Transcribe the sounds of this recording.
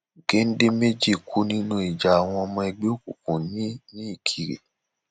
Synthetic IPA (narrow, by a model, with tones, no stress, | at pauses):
ke˨˦n̩˦de˦me˦d͡ʒi˦˨kʰu˦nĩ˦nũ˧˦i˨d͡ʒa˨a˨w̃ɔ̃˧ɔ˧mɔ̃˧ɛ˧ɡ͡be˦o˦ku˨kũ˨nĩ˦nĩ˦i˦˨kʰi˨ɾḛ˨